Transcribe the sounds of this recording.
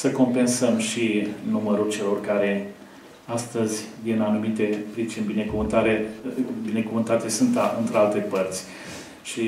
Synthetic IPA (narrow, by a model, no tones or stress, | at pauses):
səko̞mpe̞nsəmʃinuməɾult͡ʃe̞lo̞rkaɾe̞ | ast̪əzʲinanumit̪e̞pɾit͡ʃinʲbine̞kuvɨnt̪aɾebine̞kuvɨnt̪at̪esɨnt̪aɨnt̪ɾealt̪e̞pərt̪sʲ | ʃi